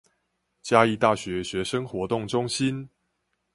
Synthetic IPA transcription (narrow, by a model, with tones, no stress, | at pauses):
t͡ɕja˦i˥˧t̪a˥˩ɕɥɛ˨˦ɕɥɛ˨˧˥ʂə˦ŋxwɔ˧˥t̪ʊ˥˩ŋʈ͡ʂʊ˦˥ŋɕi˦n